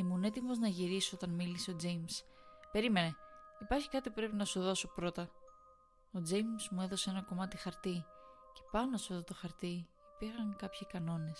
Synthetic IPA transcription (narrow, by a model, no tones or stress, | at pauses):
imune̞t̪imo̞znɐʝiɾisoo̞t̪ɐnmiliso̞d͡zejmspe̞ɾime̞ne̞ipɐɾçi̥kɐt̪ipupɾe̞pinɐsuðo̞sopɾo̞t̪ɐ | o̞d͡ze̞jmsmue̞ðo̞see̞nɐko̞mɐt̪ixɐɾt̪ice̞̥pɐnosueðot̪o̞xɐɾt̪i | ipiɾxɐŋkɐpçikɐno̞ne̞s